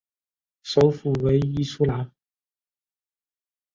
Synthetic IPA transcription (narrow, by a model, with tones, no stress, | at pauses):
so˨˥wfuː˨˩we˨˥jiː˥˧suː˥laː˨˥n